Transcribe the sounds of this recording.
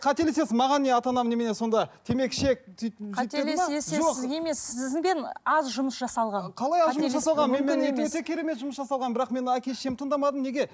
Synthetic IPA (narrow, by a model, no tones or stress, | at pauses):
qʰɑt̪ele̞se̞sɪmɑʁɑnːe̞ɑt̪ɑnɑmnemeneso̞nd̪ɑt̪ʰe̞me̞kʃek̚t̪ʰiej̪elemesʒoqɪzɡʲjemesɪzɪŋbe̞nɑzʒʊməsʒɑsɑlˠʁɑnqʰɑlˠɑjɑzʒʊməsʒɑsɑlˠʁɑnmenmeewɵt̪e̞kʲʰe̞ɾe̞me̞t̪ʒʊməsʒɑsɑlˠʁɑnbɪɾɑqme̞nækʲe̞lʃemt̪ʰəɴd̪ɑmɑd̪əmne̞ɡʲe̞